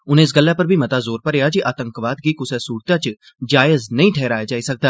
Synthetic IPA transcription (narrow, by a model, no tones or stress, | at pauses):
ʊnẽːɪs̬ɡəlːaːpəɾbʱiːmət̪aːzoːɾpəɾejaːd͡ʒiʔaːt̪ə̃ŋkʋaːd̪̚ɡiːkʊsɛsuːɾt̪ãːt͡ʃ | d͡ʒaːəznəĩːʈʰɛːɾaːjad͡ʒaːisək̚d̪aː